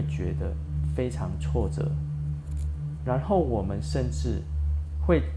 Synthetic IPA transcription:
t͡ɕɥɛ˧˦˥d̪ə̰˧˨ | fe˥ɪʈ͡ʂʰɑ˧˦ŋt͡sʰwɔ˥˨ʈ͡ʂɤ̰˨˩˦ | ɻa˧˦nxo˥˩ʊwɔ˨˩mə˦nʂə˥˧nʈ͡ʂɻ̩˥˨xwe˥˨ɪ

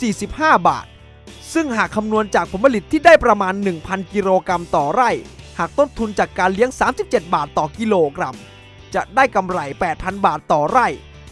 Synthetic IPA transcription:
siː˨˩si˨˩p̚haː˥˩ba̰ː˨˩t̪̚ | sɯ˥˩ŋhaː˨˩kʰːa˧mnu˧ənt͡ɕaː˨˩k̚pʰo˩˦npʰa˧li˨˩t̪ʰːiː˥˩daː˥˩jpɾa˧maː˧nːɯ˨˩ŋpʰa˧nki˧ɾoː˧kɾa˧mt̪ɔː˨˩ɾa˥˩jhaː˨˩k̚t̪o˥˩nt̪ʰu˧nt͡ɕaː˨˩kːaː˧nli˦˥əŋsaː˩˦msi˨˩p̚t͡ɕe˨˩t̪̚baː˨˩t̪ːɔː˨˩ki˧loː˧kɾa˧m | t͡ɕa˨˩ʔdaː˥˩jka˧mɾa˧˩jpɛː˨˩t̪̚pʰa˧nbaː˨˩t̪ːɔː˨˩ɾa˥˩j

